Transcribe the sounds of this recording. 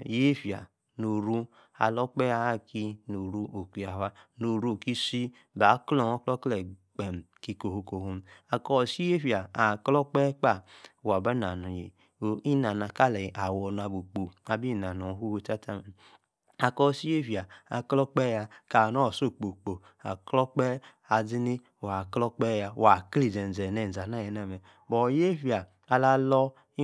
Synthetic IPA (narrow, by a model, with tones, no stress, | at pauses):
je˦fja̰˨ | no˨ɾu˦ | a̰˨lɔ˦k͡pɛ˦a˨a˦ki˧no˨ɾu˦ʔo˨ki˨a˨wa˦no˨ɾu˦˨ki˦si˦ | ba˨˦klɔ˨ŋɔ˦klɔ˦klɛ˨k͡pe˨m˨ki˧ko˨ho˧ko˨ho˦m˦a˨kɔ˦˨si˦e˦fja˨a˨klɔ˦k͡pɛ˦k͡pa˦˨wa˨ba˦na˨nɔ˨je˨ | i˦na˨na˨ka˦lɛ˨ʔa˨wɔ˨n˨a˨bo˨k͡po˨a˨bi˦˨na˨n˨ɔ˨˦ɦu˦wo˧ta˦ta˦mɛ˨ | a˨kɔ˦˨si˦e˦vi˨a˨a˨klɔ˦k͡pɛ˦ja˧ka˨nɔ˦˨so˦˨k͡po˨k͡po˨ | a̰˨klɔ˦k͡pɛ˦ | a˨d͡zi˦ni˦˨wa˨klɔ˦k͡pɛ˦ja˨wa˨kli˨d͡zɛ˨n˨zɛ˨nɛ˨za˨na˦jɛ˨˦na˦˨mɛ˨ | bɔ˨je˦fi˦aː˨ | la˦lɔ˦ | i˦